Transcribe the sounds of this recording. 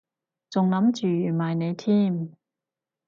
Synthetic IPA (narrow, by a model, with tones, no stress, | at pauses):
t͡sʊ˨ŋlɐ˨˥mt͡ʃyː˨jyː˨˩maː˨˩jne˨˧jt̪ʰiː˥˩m